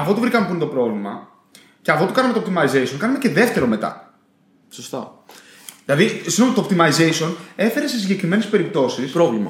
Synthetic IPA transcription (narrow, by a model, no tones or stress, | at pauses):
ɐfot̪uvɾikɐmepunt̪opɾo̞vlimɐ | ceɐfot̪ukɐnɐmeop̚t̪imɐizeisio̞nkɐnɐme̞ce̞ðe̞ft̪e̞ɾo̞me̞t̪ɐ̰ | sost̪ɐ | ðilɐðisino̞mɐt̪op̚t̪imɐizejsio̞ne̞fe̞ɾe̞se̞siɲɟe̞kɾime̞ne̞spe̞ɾip̚t̪o̞sispɾovlimɐ̰